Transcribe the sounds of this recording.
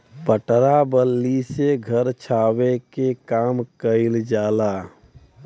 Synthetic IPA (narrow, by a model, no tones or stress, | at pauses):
pəʈɾabəlːiseɡʱəɾt͡ʃʰaːwekekaːmkəɪld͡ʒaːla